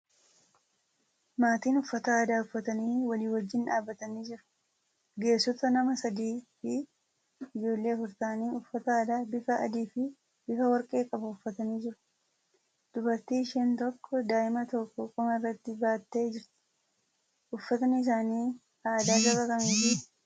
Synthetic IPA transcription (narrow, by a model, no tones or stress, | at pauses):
maːt̪iːnʊfːɐt̪ɐaːd̪aːʊfːɐt̪ɐniːwɐliːwɐd͡ʒːɪnᶑaːbːɐt̪ɐniːd͡ʒɪɾʊ̥ | ɡe̞ːsːɔt̪ɐnɐmɐsɐd̪iːfɪ | ɪd͡ʒo̞ːlːe̞ːfʊɾt̪aːniːʊfːɐt̪ɐaːd̪aːbɪfɐɐ̰d̪iːfɪ | bɪfɐwɐɾkʼe̞ːkʼɐbʊʊfːɐt̪ɐniːd͡ʒɪɾʊ̥ | d̪̥ʊbɐɾt̪iːʃeːnt̪ɔkːɔd̪aːʔɪmɐt̪ɔkːɔkʼʊmɐɪrːɐt̪ːɪbaːt̪ːe̞ːd͡ʒɪɾt̪ɪ̥ | ʊfːɐt̪ɐnɪs̬aːniː | aːd̪aːɡɐkːɐkʼɐmiːfɪ